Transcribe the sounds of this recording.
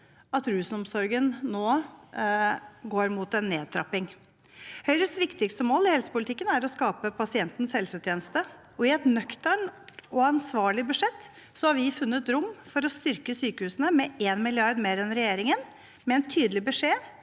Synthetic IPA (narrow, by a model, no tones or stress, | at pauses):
ɑt̪ɾʉːsn̩ɔmsɔɾɡənːoː | ɡoːɾmuːt̪ɛnːeːd̪̚t̪ʰɾɑ̰pːɪŋ | hœʏɾəsʋɪkt̪ɪkst̪əmoːlɪhɛlsə̥pʊlt̪ʰɪkːənæɾɔskɑːpəpʰɑsɪɛnt̪n̩shɛlsʉt̪ʰjeːnəst̪ə | ɔɪɛt̪nœkt̪əɳɔɑnsʋɑːɭɪbʉʂɛt̪ː | sɔhɑɾʋɪfʉnːət̪ɾʊmːfɔɾɔst̪ʏɾkəsyːkəhʉːsənəmɛeːnmɪlɪɑɾd̪meːɾɛnɾɛjeːɾɪŋən | mɛɛnt̪ʰyːd̪lɪbəʂeː